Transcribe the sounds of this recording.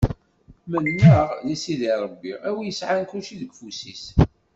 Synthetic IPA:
mənːəʁjæsiðiɾˤəbːiæwijəsʕankuʃiðəɡfusis

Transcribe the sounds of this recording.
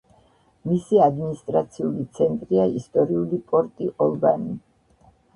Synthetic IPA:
misiad̪minist̪ʼɾat̪sʰiulit̪sʰɛnt̪ʼɾiaist̪ʼɔɾiulipʼɔɾt̪ʼiʔɔlˠbani

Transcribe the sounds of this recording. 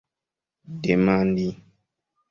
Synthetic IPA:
demandi

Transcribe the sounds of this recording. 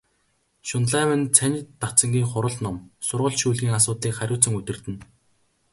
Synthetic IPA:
ʃʊnɮaːwɘ̆nt͡sʰænʲɪ̆t̪ːat͡sə̆ŋɡʲiːŋχʊɾə̆ɮt̪nɔmsʊrʁə̆ɮʃuːɮɣʲiːŋasʊːt̪ɮiːkχæɾʲʊːt͡sə̆ŋɵt̪ʲɘ̆rt̪ɘ̆n

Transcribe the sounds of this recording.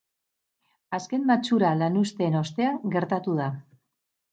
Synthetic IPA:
aske̞mmat͡ʃuɾalanust̪e̞ːno̞st̪e̞aŋɡe̞ɾt̪at̪uða

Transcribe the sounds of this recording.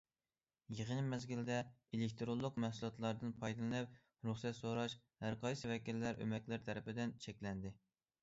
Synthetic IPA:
jeʁənmɛzɡʲild̪ɛelek̚ʲt̪ɾolˠːʊqmæhsulˠɑt̪ʰlˠɑɾd̪ɨnpʰɑjd̪ɨlˠɨnɨp̚ | ɾuχsɛt̪soɾɑʃhæɾqʰɑjsɪvɛkʲilːæɾʔø̰mɛkʲlɪɾt̪ʰɛɾɪpɪd̪ɪnt͡ʃʰɛkʲlɛnd̪ɪ

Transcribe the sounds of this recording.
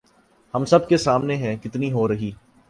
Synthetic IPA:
hɐ̃msɐbkesaːmneɦɛ̃kɪt̪niɦoɾɐɦiː

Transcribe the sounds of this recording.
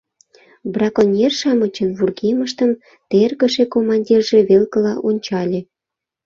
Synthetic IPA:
brɑkonʲerʃɑmət͡ɕənβurɣeməʃt̪əm | t̪erɣə̆ʃekomɑnʲdʲirʒeβelkə̆lɑʔonʲt͡ɕɑlʲe

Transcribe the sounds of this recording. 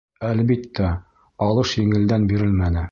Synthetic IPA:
ælbit̪ːæ | ɑlˠɤʃjɘ̆ŋɘ̆ld̪ænbiɾɘlmænɘ

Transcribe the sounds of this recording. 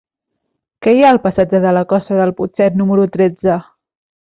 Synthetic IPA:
kɛjaəlˠpəsad͡ʒəðələkɔst̪əðəlˠput͡ʃɛt̪numəɾut̪ɾed͡zə

